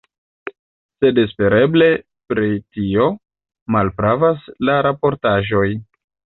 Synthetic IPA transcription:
se̞despe̞ɾe̞ble̞ | pɾitio̞ | malpɾavaslaɾapo̞ɾtaʒo̞j

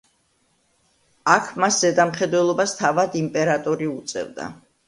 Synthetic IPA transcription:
akʰmaszɛd̪amχɛd̪wɛlˠɔbast̪ʰavad̪impʼɛɾat̪ʼɔɾiut̪sʼɛ̰vd̪a̰

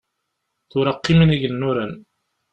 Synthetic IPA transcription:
θʊɾɑqːimniʝənːuɾæn

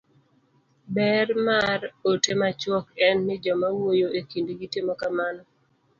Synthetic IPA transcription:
bɛrmarotemat͡ʃwɔkɛnːɪd͡ʒɔmawojoekindiɡitɪmɔkamanɔ

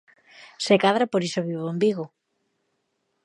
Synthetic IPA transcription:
sekaðɾapoɾisoβiβoembiɣo

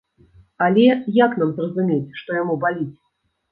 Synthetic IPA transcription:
alʲɛjaknamzrɐzumʲet͡sʲʂt̪ɔjamubalʲit͡sʲ

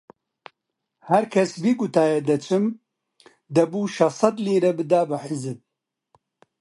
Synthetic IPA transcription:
hɐɾkʰɐsbiːɡut̪ʰaːjɛd̪ɐt͡ʃʰɨm | d̪ɐbuːʃɐsˤɐd̪liːɾɐbɨd̪aːbɨħɪzɨb̚

